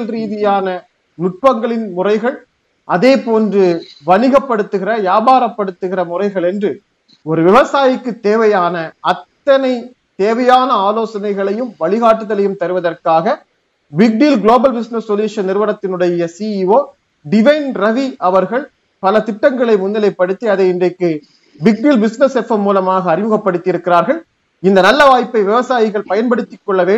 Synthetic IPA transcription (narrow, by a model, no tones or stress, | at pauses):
lɾiːðɪjaːnɐ | nʊʈ̚pɐŋɡɐɭɪnmʊrɐɪɣɐɭ | ʔɐðeːpoːndrɯʋɐnɪɣɐpːɐɽɯt̪ːɯɣɪrɐjaːbaːɾɐpːɐɽɯt̪ːɯɣɪrɐmʊrɐɪɣɐɭɛndrɯ | ɔɾɯʋɪʋɐsaːjɪkːɯt̪ːeːʋɐjaːnɐɐt̪ːɐnɐɪ | t̪ːeːʋɐjaːnɐaːloːsɐnɐɪɣɐɭɐjɯmʋɐɭɪɣaːʈːɯðɐlɐjɯmt̪ɐɾɯʋɐðɐrkaːɣɐ | bɪk̚ɖiːlɡloːbɐlbɪsnɛsːɔljuːʂɐnɪɾɯʋɐnɐt̪ːɪnɯɽɐjɐsiːioː | ɖɪʋɐɪnɾɐʋiʔɐʋɐɾɣɐɭ | pɐlɐt̪ɪʈːɐŋɡɐɭɐɪmʊnːɐlɐɪpːɐɽɯt̪ːiɐðɐɪndrɐɪkːɯ | bɪk̚ɖiːlbɪsnɛsɛfɐmːuːlɐmaːɣɐːɾɪmɯɣɐpːɐɽɯt̪ːɪjɪɾɯkːɪɾaːɾɣɐɭ | ɪnd̪ɐnɐlːɐʋaːjpːɐɪʋɪʋɐsaːjɪɣɐɭpɐjɐnpɐɽɯt̪ːɪkːɔɭːɐʋeː